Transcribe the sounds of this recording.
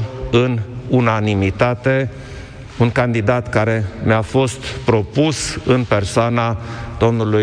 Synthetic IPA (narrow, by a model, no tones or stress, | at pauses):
ɨnunanimit̪at̪e̞ | uŋkand̪id̪at̪kaɾe̞meafo̞st̪pɾo̞pusɨnpe̞rsoanad̪̥o̞mnuluj